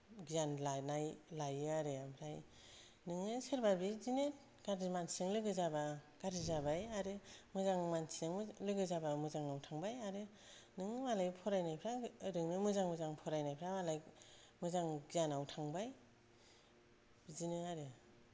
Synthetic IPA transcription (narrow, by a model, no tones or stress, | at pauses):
ɡijanlanajlajɯaɾɯampʰɾaj | nɯŋɯsɯɾbabizinet | ɡ̥aɾimansɯŋlɯɡɯzabaɡ̥aɾizabajaɾɯmɯzaŋmansiɯŋlɯɡɯzabamɯzaŋawtʰaŋbajaɾɯ | nɯŋɯmalajpʰɔɾajnajpʰɾaɯɾɯŋnɯmɯzaŋmɯzaŋpʰɔɾajnajpʰɾamalaj | mɯzaŋɡianawtʰaŋbaj | bizinɯaɾɯ